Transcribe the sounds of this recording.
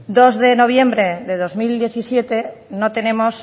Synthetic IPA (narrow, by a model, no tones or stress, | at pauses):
d̪ozðenoβ̞jembɾeðeðozmild̪jeθisjet̪enot̪enemos